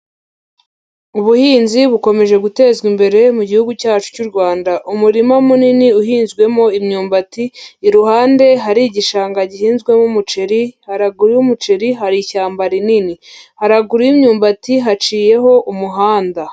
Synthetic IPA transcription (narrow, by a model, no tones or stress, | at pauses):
uβuhiːnziβuko̞me̞ʒe̞ɡute̞ːzɡimbe̞ɾe̞muɟihuɡucaːt͡ʃu̥cuɾɡwaːndaʔumuɾimamuniniuɦiːnzɡwe̞mo̞imɲuːmbatiːɾuhaːnde̞ɦaɾiɟiʃaːŋɡaɟihiːnzɡwe̞mumut͡ʃeɾihaɾaɡuɾijumut͡ʃeɾiɦaɾiçaːmbaɾininihaɾaɡuɾijimɲuːmbatiɦat͡ʃiːje̞ɦo̞ʔumuɦaːnda